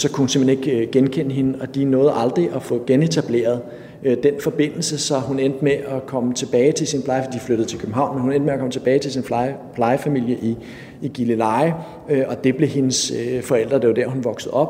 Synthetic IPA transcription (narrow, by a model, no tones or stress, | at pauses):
sɒ̽kʰuhunsem̥heneɡ̥ɡ̥enkʰen̰əɦe̝nəɒ̽d̥inɔ̽ːð̩ˠɑ̈ld̥ʁiʔɒ̽fɔ̰̽ːɡ̥ene̝t͡sʰæb̥le̝̰ːɐðˠ | ød̥enfɒ̽b̥e̝n̰l̩səsɒ̽ɦunend̥əmeʔɒkʰɒ̽mət͡sʰe̝b̥ɛːɪt͡sʰe̝lsinpʰlɑ̈ɪfd̥ifløɾ̥ð̩ˠt͡sʰe̝lkʰøb̥m̩ɦɑ̈ʊ̰nmenhunen̰d̥meɐkʰɒ̽mət͡sʰe̝b̥ɛːɪt͡sʰe̝lsinfpʰlɑ̈ɪəfæmil̰jəʔiː | ɡ̥ilelɑ̈ɪɪ | øɒ̽d̥e̝b̥le̝he̝nəsøfɒ̽el̰d̥ʁɐd̥e̝ʋɐd̥æɐ̰hɦunʋɒ̽ɡ̥səð̩ˠɒ̽b̥